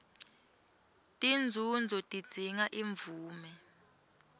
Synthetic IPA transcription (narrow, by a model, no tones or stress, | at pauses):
tʼind͡zʱund͡zʱɔtʼid̥d͡z̥ʱiŋaʔiɱvuːmɛ